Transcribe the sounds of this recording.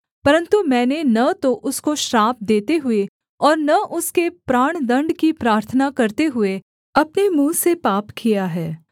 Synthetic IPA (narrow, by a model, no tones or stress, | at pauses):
pɐɾə̃nt̪umɛ̃ːnenɐt̪oʔʊskoʃɾaːp̚d̪eːt̪eɦʊe | ɔːɾnɐʔʊskepɾaːɽ̃d̪ɐ̃ɳɖkipɾaːɾt̪ʰənakɐɾt̪eɦʊe | ɐpnemũːsepaːpkʰijaɦɛː